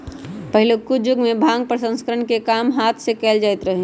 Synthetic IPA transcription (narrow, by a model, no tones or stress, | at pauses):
pəɦɪlokud͡ʒʊɡmẽbʱãːŋɡ̚pəɾsə̃nskəɾəɳkekaːmɦaːt̪ʰsekɛld͡ʒaːɪt̪ɾəɦe